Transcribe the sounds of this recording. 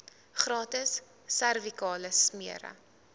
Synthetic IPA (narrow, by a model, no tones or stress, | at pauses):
χrɑːtəsː | ærvikɑːləsmiəɾə̰